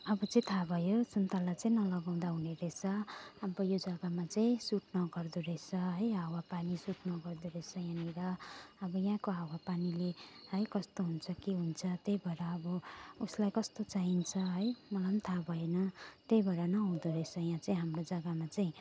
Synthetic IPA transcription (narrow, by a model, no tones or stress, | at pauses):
ʌbʌt͡sʌ̃ĩt̪ʰabʱʌjosunt̪alat͡saĩnʌlʌɡaw̃d̪aɦuneɾet͡sʰʌɦamɾojod͡zʌɡamat͡saĩsuʈnʌɡʌrd̪uɾʌet͡sʰʌɦʌjawapanisuʈnʌɡʌrd̪uɾʌt͡sʰʌjãniɾʌʌbʌjãkoɦawapanilehʌjkʌst̪oɦunt͡sʰʌkiɦunt͡sʰʌt̪ejbʱʌeɾʌːbʌuslajkʌst̪ot͡saint͡sʰʌɦʌjmʌlant̪ʰabʱʌenʌt̪ejbʱʌeɾʌnʌɦũd̪uɾʌet͡sʰʌjãt͡saĩɦamrod͡zʌɡamat͡saĩ